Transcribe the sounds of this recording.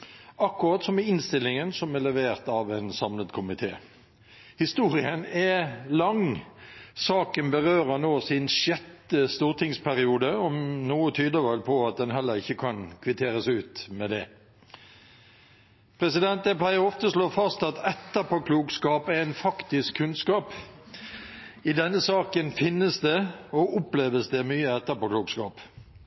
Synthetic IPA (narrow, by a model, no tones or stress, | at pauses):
ɑkːʊʁɑːt̪sɔmɛɪnst̪ɪlːɪŋənsɔmɛlɛʋeːʁt̪ɑʋɛnsɑmləd̪kʰʊmɪt̪ʰḛː | hɪst̪uːɾɪənɛlɑŋ | sɑːkənbəʁøːɾənoːsɪnʃjɛt̪ːəst̪uːʁt̪ʰɪŋspʰæʁɪuːd̪əɔmnuːət̪ʰyːd̪əʋɛlpʰɔɑt̪̚d̪ɛnɦɛlːəʁɪçːəkʰɑnkʰʋɪt̪ʰeːɾəsʉːt̪mɛd̪ɛ̰ | pʰʁɛsɪd̪ɛnt̪ɛpʰlæɪəʁɔft̪əsloːfɑst̪ɑt̪ɛt̪ːəpɔkʰluːɡskɑːpæʁænfɑkt̪ɪskʰʉnskɑːp | ɪd̪ɛnːəsɑːkənfɪnːəsd̪ɛɔʔʊpleːʋəsd̪ɛmyːəɛt̪ːəpɔkluːɡskɑːp